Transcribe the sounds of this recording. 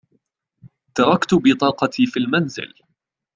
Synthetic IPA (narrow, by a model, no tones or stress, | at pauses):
t̪ɑɾˤɑkt̪ʊbɪt̪ˤɑːqɑt̪ʰiːfilmanzɪ̰l